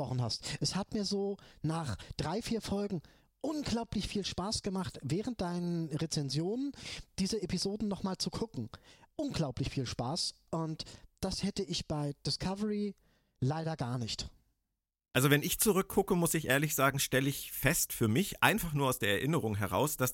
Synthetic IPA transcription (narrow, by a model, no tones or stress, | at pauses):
ʁɔχn̩ɦastʔɛshatmiːɐzoːnaːχd̥ʁaɪfiːɐfɔlɡŋ̩ | ʔʊnɡlaʊplɪçfiːlʃpaːsɡ̥əmaχtvɛːʁənt̚d̥aɪnənʁet͡sɛnzjoːnənd̥iːzəepizoːdn̩nɔχmaːlt͡sukʰʊkŋ̩ʔʊnɡlaʊplɪçfiːlʃpaːsʔʊntd̥ashɛtəʔɪçb̥aɪd̥ɪskʰavəʁi | laɪɾɐɡaːɐnɪçt | ʔalzovɛnɪçt͡suʁʏkʰːʊkəmʊsɪçʔeːɐlɪçz̥aːɡŋ̩ʃtɛləɪçfɛstfyːɐmɪçʔa̰ɪnfaχnuːɐaʊsd̥eːɐɛɐʔɪnəʁ̞ʊŋɦɛʁ̞a̰ʊsd̥as